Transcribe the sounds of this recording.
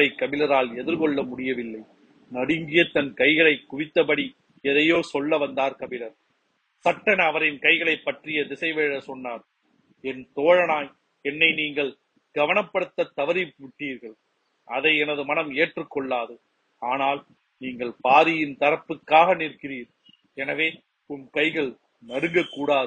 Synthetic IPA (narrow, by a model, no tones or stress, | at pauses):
ɐɪkːɐbɪlɐɾaːlɛðɪɾkɔɭːɐmʊɽɪjɐʋɪlːɐɪ | nɐɽɪŋɡɪjɐt̪ɐnkɐɪɣɐɭɐɪkːʊʋɪt̪ːɐpɐɽi | ɛðɐjoːsɔɭːɐʋɐnd̪aːɾkɐʋɪlɐɾ | sɐʈːɐnɐʋɐɾɪnkɐɪɣɐɭɐɪpːɐʈrɪjɐðɪsɐɪʋeːɻɐsɔnːaːɾ | ɛnt̪oːɻɐnaːj | ɛnːɐɪniːŋɡɐɭ | ɡ̥ɐʋɐnɐpːɐɽɯt̪ːɐt̪ːɐʋɐɾipʋɪʈːiːɾɣɐɭ | ʔɐðɐɪɛnɐðɯmɐnɐmeːʈrɯkːɔɭːaːðɯ | aːnaːl | niːŋɡɐɭpaːðɪjɪnt̪ɐɾɐpːɯkːaːɣɐnirkɪɾiːɾ | ɛnɐʋeː | ʊmkɐɪɣɐɭ | nɐɾɯŋɡɐkːuːɽaːðɯ